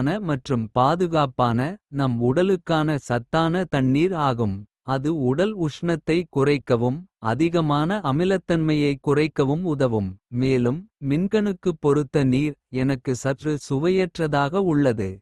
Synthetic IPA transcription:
nɐmɐʈrɯmpaːðɯɣaːpaːnɐnɐmʊɽɐlɯkːaːnɐsɐt̪ːaːnɐt̪ɐɳːiːɾaːɣɯm | ɐðɯʊɽɐlʊʂɳɐt̪ːɐɪkʊrɐɪkːɐʋɯmɐðɪɣɐmaːnɐɐmɪlɐt̪ːɐnmɐjɐɪkːʊrɐɪkːɐʋɯmʊðɐʋɯmːeːlɯmːɪnkɐɳɯkːɯpːɔɾɯt̪ːɐniːɾɛnɐkːɯsɐʈrɯsʊʋɐjɛʈrɐðaːɣɐʊɭːɐðɯ

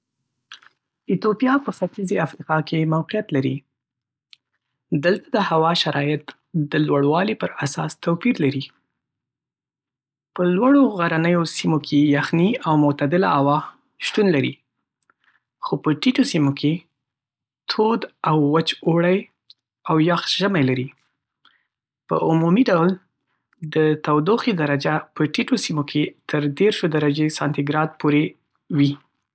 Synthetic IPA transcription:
ɪt̪opijɑpəfat̪izeafɾiqɑkʰemawqijat̪laɾḭ | d̪əlt̪ad̪əhawɑʃaɾɑjɪt̪ | d̪əlwaɽwɑlipəɾasɑ̰st̪apiɾlaɾi | pəlwaɽoɣaɾanəjosimokʰejaxniawmʊt̪ad̪ɪla̰awɑ | ʃt̪unlaɾḭ | xopəʈiʈosimokʰe | t̪ʰod̪awːat͡ʃoɽaj | awjɑxʒəmajlaɾi | pə̰ʔʊmumiɖawl | d̪ət̪awd̪oxid̪aɾad͡ʒapəʈiʈosimokʰet̪ʰəɾd̪eɾʃod̪aɾad͡ʒesɑnt̪ɪɡɾɑd̪̚poɾe | wi

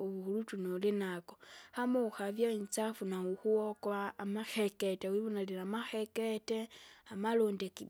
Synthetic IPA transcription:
oβuxulut͡ʃunolinakohamouxavjaint͡safunauxuwokwaːmaxeketewiβonalilamaxeketeamalondeki

